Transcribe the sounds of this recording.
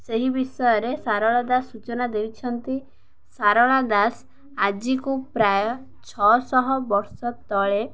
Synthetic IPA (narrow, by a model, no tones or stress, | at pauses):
seɦibisɔjɔɾesaɾɔɭad̪asːut͡ʃɔnad̪ejt͡ʃʰɔnt̪i | saɾɔɭad̪as | ad͡ʒikupɾajɔ | t͡ʃʰɔsɔɦɔbɔɾsɔt̪ɔɭe